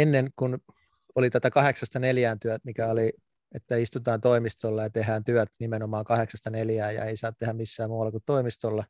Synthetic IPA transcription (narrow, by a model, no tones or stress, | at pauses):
enːeŋkun | olit̪æt̪ækɑheksɑst̪ɑneljæːnt̪yæt̪mikæoli | et̪ːæist̪ut̪ɑːnt̪oimist̪olːɑjɑt̪eɦæːnt̪yœt̪nimenomɑːŋkɑheksɑst̪ɑneljæːjɑ̰eisɑːt̪t̪ehæmmisːæːmmuːɑlːɑkut̪toimist̪olːɑ